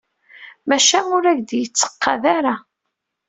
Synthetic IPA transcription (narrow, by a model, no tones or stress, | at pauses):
mæʃænʊɾæʝd̪jət͡sːə̥qːɑðaɾa